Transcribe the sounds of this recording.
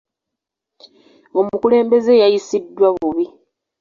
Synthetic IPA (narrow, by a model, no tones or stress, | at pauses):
o̞mukule̞ːmbe̞ze̞jajisidːwaβuβi